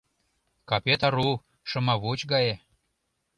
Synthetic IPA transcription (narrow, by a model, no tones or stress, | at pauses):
kɑpʲet̪ɑɾu | ʃɤ̆mɑβut͡ɕɡɑje